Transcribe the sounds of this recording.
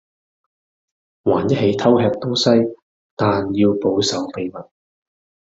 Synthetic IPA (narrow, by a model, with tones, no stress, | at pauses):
waː˨˩njɐ˥t̚ɦe˨˧jt̪ʰɐ˥whɛː˧k̚t̪ʊ˥sɐ˥j | t̪aː˨njiː˧wpo˨˧wsɐ˨˧wpe˧jmɐ˨˩t̚